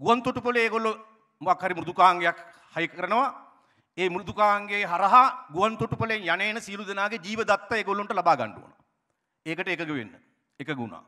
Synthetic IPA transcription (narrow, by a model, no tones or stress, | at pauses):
ɡuʋant̪oʈupɐleeːɡolːo | makhaɾimɾud̪ukaːŋɡejak | hajkəɾənəʋa | eːmɾud̪ukaːŋɡeːɦaɾɐɦaɡuʋant̪oʈupəlenjaneːnəsiəlud̪enaːɡed͡ʒiːʋəd̪at̪ːaeːɡolːonʈəlabaːɡa̰ɳɖṵʋo̰no̰ | eːkəʈəekəɡəʋḛnːə | ekəɡṵna̰ː